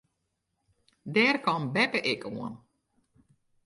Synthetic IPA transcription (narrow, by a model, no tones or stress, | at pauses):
dɛrkɔnbɛpəʔɪkʰuən